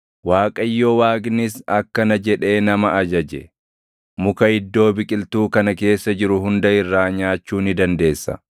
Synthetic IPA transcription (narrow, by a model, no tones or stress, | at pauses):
waːkʼɐjːo̞ːwaːɡnɪsɐkːɐnɐd͡ʒɛᶑe̞ːnɐmɐʔɐd͡ʒɐd͡ʒɛ̰ | mʊkɐɪd̪ːo̞ːbɪkʼɪlt̪uːkɐnɐke̞ːsːɐd͡ʒɪɾʊɦʊnd̪ɐɪrːaːɲaːt͡ʃːuːnɪd̪ɐnd̪e̞ːsːɐ̰